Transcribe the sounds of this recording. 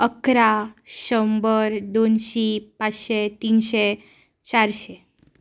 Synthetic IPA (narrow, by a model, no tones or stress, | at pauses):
əkɾaʃəmbəɾd̪onʃipat͡ʃʃet̪inʃe | t͡ɕaɾʃe